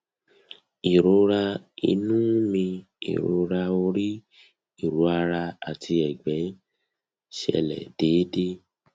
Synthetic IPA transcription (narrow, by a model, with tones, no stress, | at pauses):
i˨ɾo˨˦ɾa˧ḭ˧nũ˦mĩ˧ | ḭ˨ɾo̰˨˦ɾa˧o˧ɾi˦ | i˦˨ɾu˨˦a˧ɾa˧a̰˨tʰi˧ɛ˨ɡ͡bɛ̃˨˦ | ʃɛ̰˧lɛ̰˨d̥eː˨˦de˦